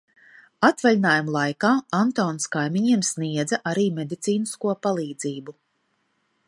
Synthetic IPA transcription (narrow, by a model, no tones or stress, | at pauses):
at̪valʲinaːjumlˠajkaːant̪ɔːnskajmiɲiɛmsniɛd̪zaʔaɾiːmʲed̪it̪siːniskuɔpalˠiːd̪ziːbu